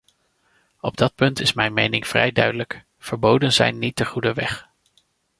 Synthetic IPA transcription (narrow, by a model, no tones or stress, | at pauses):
ɔb̚dɑt̚pɵntɪsmɛjnmejnɪŋv̥rɛ̰jdœ̰ɥdələk | v̥əɹbowdənzɛ̰jnːit̚dəχudəʋɛχ